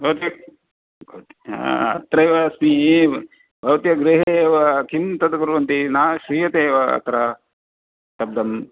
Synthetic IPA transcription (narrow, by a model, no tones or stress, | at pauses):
bʱɐwt̪jɐ | bʱɐwt̪i̥a̰ɐt̪ɾɐjʋɐsmi | bʱɐʋɐt̪jɐɡɾiɦeʋɐkimt̪ɐd̪ɐkuɾʋɐnt̪inaːʃɾiːjɐt̪eːʋɐɐ̰t̪ɾɐ | ʃɐb̚d̪ɐm